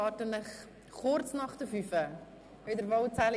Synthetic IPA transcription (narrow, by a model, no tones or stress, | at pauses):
ɑːtənəχ | χɔrtsnɐχtəfyfə | œɥdərvɐlt͡sæl